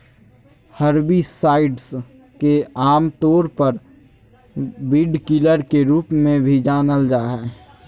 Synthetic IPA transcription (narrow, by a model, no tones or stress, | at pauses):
həɾbisaːɪɖs | keaːmt̪oːɾpəɾ | bɪɖkɪləɾkeɾuːpmẽbʱid͡ʒaːnəld͡ʒaːɦɛː